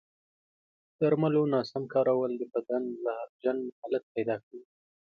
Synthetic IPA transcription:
d̪̥aɾmalonɑsamkɑɾawəld̪əbad̪anlaad͡ʒanhalat̪̚pajd̪ɑkawi

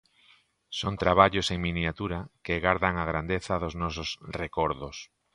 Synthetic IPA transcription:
sont̪ɾaβ̞aʎoseŋminjat̪uɾakeɣaɾðaŋaɣ̞ɾand̪eθaðoznɔsosrekɔɾðos

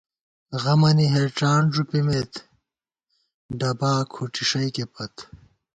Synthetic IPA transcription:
ɣɐmɐniɦeʈ͡ʂaːnʐupimet̪ | ɖɐbaːkʰuʈiʂɐjkepɐt̪

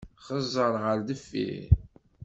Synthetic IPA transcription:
χəzˤːəɾˤʁəɾðəfːḭ

